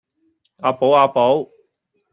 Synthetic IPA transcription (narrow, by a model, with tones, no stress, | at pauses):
aː˧po˨˥waː˧po˨˥w